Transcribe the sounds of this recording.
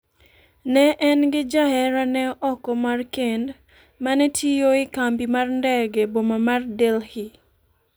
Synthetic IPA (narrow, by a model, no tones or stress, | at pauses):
nɛʔɛnɡɪd͡ʒaɦɛɾanɛɔkɔmarkend | manɛtʰijoɪkambimarndɛɡɛbomamardelhi